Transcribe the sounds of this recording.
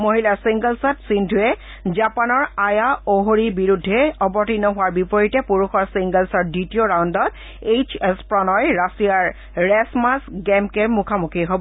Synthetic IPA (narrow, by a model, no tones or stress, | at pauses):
moɦilasiŋɡəlsatsindʱuɛ | zapanɔɹajaoɦoɹibiɹudʱːɛɔbɔtinɔɦʊwaɹbipɔɹitɛpuɹuxɔɹsiŋɡəlsɔditioɹawndɔt | ejt͡ʃespɹɔnɔjɹasijaɹː | ɛsmasɡɛmkɛɹmukʰamukʰiɦobɔ